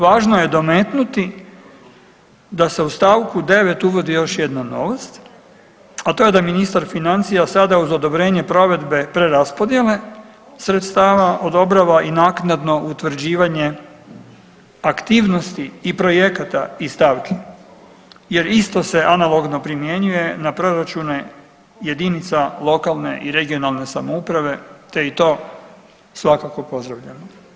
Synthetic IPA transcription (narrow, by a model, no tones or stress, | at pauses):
ʋaːʒnoje̞d̪o̞met̪nut̪i | d̪ase̞ust̪aːʋkud̪e̞ʋe̞t̪uʋo̞d̪ijo̞ʃjed̪nano̞̰ʋost̪ | at̪o̞je̞d̪aminist̪aɾfinant̪sijasad̪auzo̞d̪o̞bɾe̞ːɲe̞pɾo̞ʋe̞d̪be̞pɾeɾaspo̞d̪jele̞ | sɾet̪st̪aːʋaʔo̞d̪o̞bɾaʋaʔinaːknad̪no̞ʔut̪ʋɾ̩d͡ʑiːʋaɲe̞ | akt̪iːʋno̞st̪iipɾo̞je̞kat̪aist̪aʋke | je̞ɾist̪o̞se̞ʔanalˠo̞ɡno̞pɾimje̞ɲuje̞napɾo̞ɾat͡ʃune | je̞d̪init̪salˠo̞kalˠne̞̰ʔiɾe̞ɡio̞nalˠne̞samoupɾaʋe̞t̪e̞it̪o̞ː | sʋakako̞po̞zd̪ɾaʋʎano